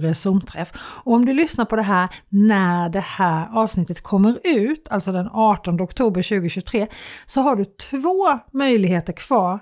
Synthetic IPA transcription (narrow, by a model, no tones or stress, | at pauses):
ɾɛsʊmt̪ʰɾɛfɔɔmd̪ɵlʏsnaɾpʰɔd̪ɛɦæːɾnæɖɛhæːɾɑːvsnɪt̪ːət̪kʰɔmːəɾʉ̟ːt̪ʰalt̪sɔd̪ɛnɑːʈɔnd̪əɔkt̪ʰuːbəɾɕʉ̟ːɡʊɕʉt̪ʰɾeːsɔɦaɖɵt̪ʰvoːmœjlɪɡheːt̪əɾkʰv̥ɑːɾ